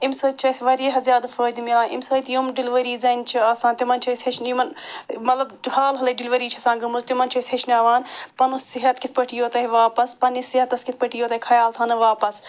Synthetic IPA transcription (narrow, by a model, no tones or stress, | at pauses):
imsɐːt͡ʃʰɐsʋɐɾeɦɐzʲaːd̪fəːjd̪imilaːʔḭmsɐːjt̪jumɖiliʋɐɾiːzɐnt͡ʃʰiɐsãːnt̪imɐnt͡ʃʰɐsʲɐt͡ʃʰnjimɐnmɐt̪lɐbhaːlɦɐlɐɖilʋɐɾiːt͡ʃʰɐsãːɡɐmuzt̪imɐnt͡ʃʰɐsʲɐt͡ʃnaːʋaːnpɐnusːiɦɐt̪kit̪̚ʰpɐʈʰijoːt̪ɐɦiʋaːpɐspɐnisiɦɐt̪ɐskit̪̚ʰpɐʈijoːt̪ɐikʰɐjaːlt̪ʰɐnɨʋaːpɐs